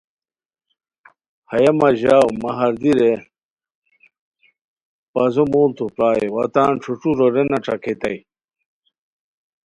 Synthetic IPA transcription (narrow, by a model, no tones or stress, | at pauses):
hɐjɐmɐʑaːwmɐɦɐɾd̪iɾe | pɐzomoːlt̪upɾaːjewɐ̰t̪aːnʈ͡ʂʰuʈ͡ʂuɾoɾenɐʈ͡ʂʰɐkʰet̪ɐ̰j